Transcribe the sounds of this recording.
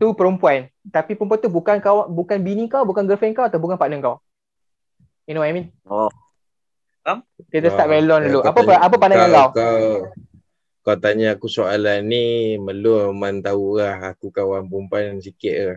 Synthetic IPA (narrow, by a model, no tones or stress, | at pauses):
t̪upəɾumpuant̪apipəɾump̬uant̪ubukankawbukanbinĩkawbukanɡəfənkawat̪awbukanpaʔnəŋkaw | ɛnõamĩn | ɔ | akit̪ast̪aʔ̚welɔnduluapəʔapəpandaɲakawkaw | kawt̪aɲaːkusoalanːiməlomant̪aulahakukawanpumpuansikɪʔ̪̚lah